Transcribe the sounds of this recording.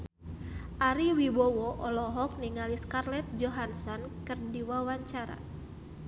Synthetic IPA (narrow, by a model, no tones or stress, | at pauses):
ʔaɾiwibɔwɔʔɔlɔɦɔk̚niŋaliskarlɛt̪̚d͡ʒɔɦansɔnkɨrdiwawaɲt͡ʃaɾa̰